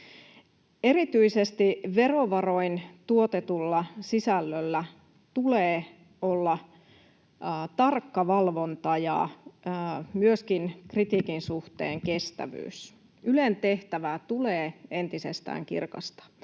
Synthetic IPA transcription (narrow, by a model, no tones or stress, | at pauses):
eɾit̪yisest̪iʋe̞ro̞ʋɑro̞int̪uot̪et̪ulːɑsisælːølːæ | t̪uleː | olːɑ | t̪ɑrkːɑʋɑlʋo̞nt̪ɑjɑ̰ | myøskinkrit̪iːkinsuht̪ḛːŋke̞st̪æ̰ʋy̰ːs | ylent̪e̞ht̪æʋæt̪uleːe̞nt̪isḛst̪æ̰ːŋkḭrkɑ̰st̪ɑ̥